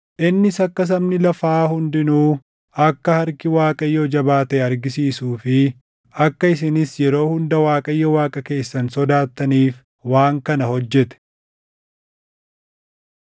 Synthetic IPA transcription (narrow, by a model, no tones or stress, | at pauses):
ʔɪnːɪsɐkːɐs̬ɐmnɪlɐfaːɦʊnd̪ɪnuː | ɐkːɐhɐɾkɪwaːkʼɐjːɔd͡ʒɐbaːt̪ɛɐɾɡɪsiːsuːfɪ | ɐkːɐɪsɪnɪsjɛɾo̞ːhʊnd̪ɐwaːkʼɐjːɔwaːkʼɐke̞ːsːɐnsɔd̪aːt̪ːɐniːf | waːŋkɐnɐhɔd͡ʒːɛt̪ɛ̥